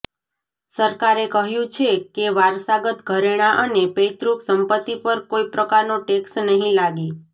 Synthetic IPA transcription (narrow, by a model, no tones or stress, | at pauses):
səɾkaɾekəɦjũt͡ʃʰekeʋaɾsaɡət̪ɡʱəɾeɽ̃aʔənepejt̪ɾuksəmpət̪ːipəɾkoipɾəkaɾnoʈeksnəɦĩlaɡi